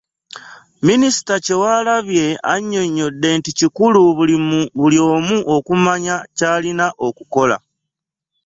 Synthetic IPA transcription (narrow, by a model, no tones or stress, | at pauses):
minisi̥tace̞waːlaβje̞a̰ɲːo̞ɲːo̞dːe̞nticikuluβuiβuljo̞ːmuʔo̞kumaɲacaːlinaʔo̞kuko̞la̰